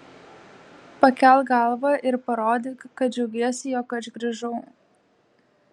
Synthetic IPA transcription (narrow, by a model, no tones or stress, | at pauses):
pɐkʲɛlˠɡɐˑlˠʋɐʔɪɾpɐɾoːd̪ʲeːkɐt̪̚d͡ʒʲɛʊɡʲeɔsʲɪjoːkɐʒɡɾʲɐʒɔʊ